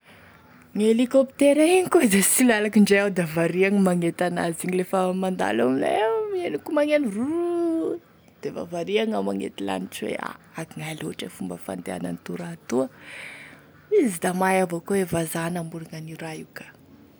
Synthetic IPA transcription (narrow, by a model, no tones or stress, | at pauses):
ŋelikopt̪eɾaiɲikozesilalakiɳɖ͡ʐeawd̪avaɾiaŋimaŋet̪ana̰ziɲilefəmand̪a̰laminemienikumaŋeniru | d̪̥eva̰vaɾiaŋamaŋḛt̪ila̰niʈ͡ʂiwḛa̰aɡiŋajaloʈ͡ʂefumbəfa̰nd̪ea̰na̰nit̪uɾat̪uə | izid̪amajavakuevazanambuɾiŋaniɾajukə̥